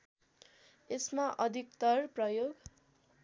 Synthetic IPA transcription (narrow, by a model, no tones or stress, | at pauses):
esmaʔʌd̪ʱikt̪ʌrprʌjoɡ